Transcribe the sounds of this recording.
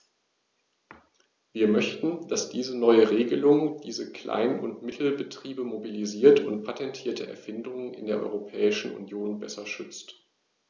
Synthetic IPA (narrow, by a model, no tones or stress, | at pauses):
viːɐmœçtn̩d̥asd̥iːzənɔʏəʁeːɡəlʊŋd̥iːzəkl̥a̰ɪnʊ̰ntmɪtʰl̩bətʁ̥iːbəmobiliziːɐtʰʊntpʰatʰɛntʰiːɐtʰəʔɛ̰ɐfɪndʊŋənɪ̰ndeːɐʔɔ̰ʏʁopʰɛːɪʃn̩ṵnjoːnbɛsɐʃʏt͡st